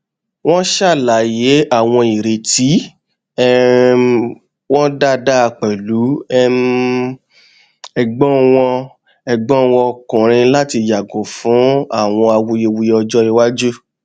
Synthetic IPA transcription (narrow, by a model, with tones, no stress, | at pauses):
w̃ɔ̃˦ʃa˦˨la˨˦je˨˦a˦˨w̃ɔ̃˧i˨ɾe˨ti˨˦ | ɛ˦ | wɔ̃˦da˦da˦˧k͡pɛ˨lu˨˦ɛ˦m | ɛ˧ɡ͡bɔ̃˦w̃ɔ̃˧ | ɛ˧ɡ͡bɔ̃˦wɔ̃˧kũ˨ɾ̃ĩ˧la˦ti˧ja˨ɡõ˨˦fũ˨˦a˦˨w̃ɔ̃˧a˧wu˧je˧wu˧je˧ɔ˧d͡ʒɔ˦i˧wa˦d͡ʒu˦